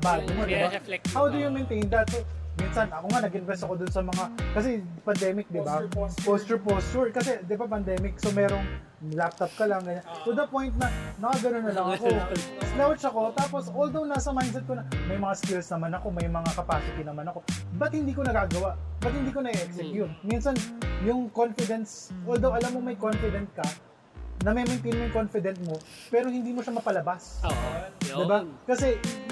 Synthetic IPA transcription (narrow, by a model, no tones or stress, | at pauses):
baːɡʊmod̪ɪbahawd̪ʊjʊmɛnt̪ejnd̪ɐt̪̚sominsɐnʔɐkoŋanɐɡʔɪnvɛst̪ɐko̞d̪ʊnsɐmɐŋakɐs̬ɛpɐnd̪ɛmɪk̚d̪ɪbaost͡ʃʊpost͡ʃʊɹkɐsɛd̪ɪbap̬ɐnd̪ɛmɪk̚somɛːɾo̞ŋ | lap̚t̪ɐp̚kɐlɐŋɡɐɲant̪ud̪ɐpo̞jnt̪̚nɐnɐkaɡɐnonːɐlɐŋɐkoslawt͡ʃɐko̞t̪aːpo̞sold̪ownasɐmajnd̪sɛt̪konɐmɐjmɐŋaskɪlsnɐmanɐko̞mɐjmɐŋakɐpaːsɪt̪ɪnɐmanɐko̞bɐt̪̚hɪnd̪iːkonɐɡaːɡɐwaʔbɐt̪̚hɪnd̪iːko̞nɐɡɛʔɛksɛkjʊt̪̚minsɐnjʊŋkonfɪd̪ɛnsʔold̪owʔɐlamːoŋmɐjkonfɪd̪ɛnt̪̚kɐ | nɐmɐjmɐjt̪inoŋko̞nfɪd̪ɛnt̪̚mo̞ | pɛːɾo̞hɪnd̪iːmoʃamɐpɐlɐbas | d̪ɪbakɐsɛ